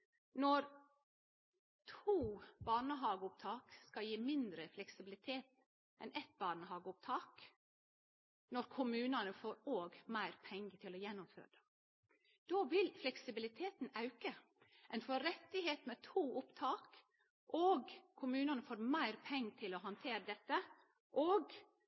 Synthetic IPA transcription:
nɔɾ | t̪ʰuːbɑːɳəɦɑːɡəʊpt̪ʰɑːkskɑljiːmɪnd̪ɾəflɛksɪbɪlɪt̪ʰeːt̪ | ʔɛnʔɛt̪̚bɑːɳəhɑːɡəʊp̚t̪ʰɑːk | nɔɾkʰʊmʉːnɑnəfoːɾoːɡmæɪɾpʰɛŋɡət̪ʰɪlɔjɛnːʊmfø̰ːɾə | d̪̥oːʋɪlflɛksɪbɪlɪt̪ʰeːt̪n̩ɑʉkə | ʔɛnfɔɾɛt̪ːɪɦeːt̪mɛt̪ʰuːʔʊpt̪ʰɑːk | ʔoːɡkʰʊmʉːnɑnəfoːɾmæɪɾpʰɛŋːt̪ʰɪlɔɦɑnt̪ʰeːɾəd̪ɛt̪ːə | ʔoːɡ

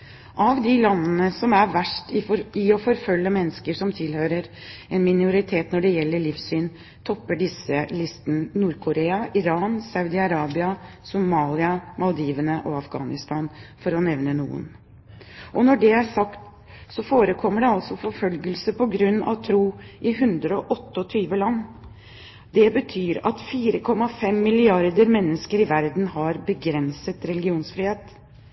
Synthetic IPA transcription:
ʔɑʋd̪ɪlɑnːnəsɔmæɾʋæʂʈɪɔfɔɾfœlːəmɛnːəskəʂɔmt̪ʰɪlhøːɾəɾ | ɛnmɪnʊɾɪt̪ʰeːt̪nɔɖɛjɛlːəɭɪfsyːn | t̪ʰɔpːəɖɪsəlɪst̪ənənuːɾkʰʊɾeːɑʔɪɾɑːnsɑʉd̪ɪɑɾɑːbɪɑ | sʊmɑːlɪɑmɑlˠd̪iːʋənəʔɔɑfɡɑ̰ːnɪst̪ɑːnfɔɾɔnɛʋnənṵːə̰n | ʔɔnɔɖɛæsɑkt̪ | sɔfoːɾəkʰɔmːəɖɛɑlsɔfɔɾfœlɡəlsəpɔɡɾʉnːɑ̰ʋt̪ʰɾuːʔɪɦʉnd̪ɾəɔʔɔt̪ːəɔt̪ʰyːʋəlɑnː | d̪ɛbət̪ʰyːɾɑ̰t̪fiːɾəkʰɔmːɑfɛmːɪlɪɑɾd̪əɾmɛnːəskəɾɪʋæɾd̪n̩ɦɑɾbəɡɾɛnsət̪ɾɛlɪɡɪuːnsfɾiːheːt̪

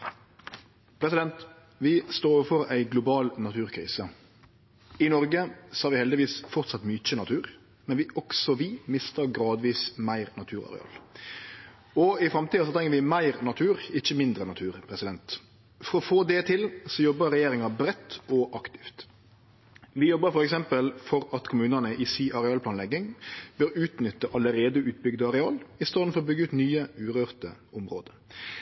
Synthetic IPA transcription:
pʰɾɛsɪd̪ɛnt̪ | ʋɪst̪oːɾəfɔɾæɪɡlʊbɑːlnɑt̪ʰʉːɾkʰɾḭːsə | ɪnɔɾɡəsɔhɑːʋɪhɛld̪ɪʋiːsfɔɾt̪sɑt̪mʏc͡çənɑt̪ʰʉːɾ | mɛnʋɪʔɔɡsɔʋɪmɪst̪əɾɡɾɑːd̪ʋiːsmæɪʁnɑt̪ʰʉːɾɑ̰ɾɛ̰ɑ̰ːl | ɔɪfɾɑmt̪iːɑsɔt̪ʰɾɛŋːəɾʋɪmæɪɾnɑt̪ʰʉːɾɪçəmɪnd̪ɾənɑt̪ʰʉːʁpʰɾɛsɪd̪ɛnt̪ | fɔɾɔfoːd̪ɛt̪ʰɪlsɔjɔbːəʁɛjeːɾɪŋɑbɾɛt̪ːɔʔɑkt̪ɪ̥ft̪ | ʋɪjɔbːəɾfɔɾɛksɛmpəlfɔɾɑt̪kʰʊmʉːnənəʔɪsiːʔɑɾɛɑːlplɑːnlɛɡɪŋbøːɾʉːt̪nʏt̪ːəʔɑləɾeːd̪əʉːt̪̚bʏɡd̪əɑʁɛɑːlɪst̪ɑːd̪n̩fɔʁɔbʏɡːəʉːt̪nyːəʉːɾøːʁt̪ə̰ʊmʁoːd̪ə

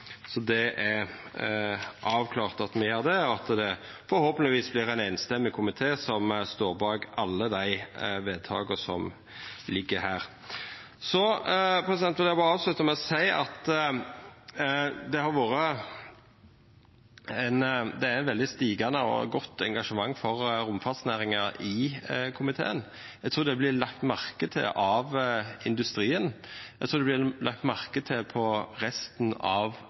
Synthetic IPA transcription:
sɔd̪ɛʔæ | ʔɑːʋkʰlɑːʁt̪ɑt̪mɛjøːʁd̪ɛɔɑt̪d̪ɛ | fɔɾhoːpənɪʋiːsblɪɾɛɪnæɪnst̪ɛmːɪkʰʊmɪt̪ʰeːsɔmst̪oːʁbɑːɡɑlːəd̪æɪʋeːd̪̚t̪ʰɑ̰ːɡəsɔ̰m | lɪɡːəɾɦæːɾ | sɔpʰɾɛsɪd̪ɛnt̪ʋɛlɛɑbɑːɾɑːʋslʉt̪ːəmæɪɔsæɪɑ̰t̪ | d̪ɛhɑɾʋoːɾə | ænd̪ɛæɾæɪnʋɛld̪ɪst̪iːɡɑnəɔ̰ɡɔt̪ːɛŋɡɑʂəmɑŋːfɔɾɾʊmfɑt̪snæːɾɪŋɑɪkʰʊmɪt̪ʰḛːən | æɡt̪ʰɾuːɾd̪ɛblɪlɑkt̪mɑʁkət̪ʰɪ̰lʔɑʋɪnd̪ʉst̪ɾiːən | ɛɡt̪ʰɾuːd̪ɛblɪlɑk̚t̪mɑʁkət̪ʰɪlpʰɔɾɛst̪nɑ̰ʋ

